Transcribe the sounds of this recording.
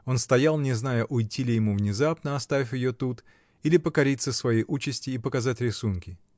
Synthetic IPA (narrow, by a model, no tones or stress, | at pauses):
o̞nst̪ɐjalˠnʲɪznajəʔʊjtʲilʲɪjɪmuvnʲɪzapnəɐst̪avʲɪfʲjɪjot̪ut̪ | ilʲɪpəkɐɾʲit̪səsvɐjejʔut͡ɕɪsʲtʲɪjːpəkɐzatʲɾʲɪsunkʲɪ